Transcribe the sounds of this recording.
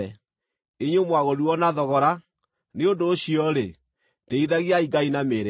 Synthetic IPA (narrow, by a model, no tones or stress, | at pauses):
ɛ | eɲomwaɣoɾuɔnaðɔɣɔɾa | neondoːɕiɔɾe | teiðaɣiaiɡainameɾe